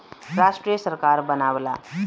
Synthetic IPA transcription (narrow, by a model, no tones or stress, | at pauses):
ɾasʈɾijəsəɾkaɾbənabla